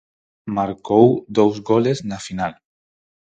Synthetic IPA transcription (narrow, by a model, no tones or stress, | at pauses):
maɾkowðowzɣoleznafinal